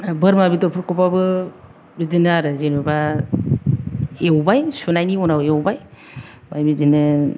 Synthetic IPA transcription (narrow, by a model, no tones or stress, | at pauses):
bɯɾmabidɔɾpʰɯɾkɔpabɯ | bizinɯaɾɯzenɯba | ewbajsunajniɔnawewbaj | bajbizinɯ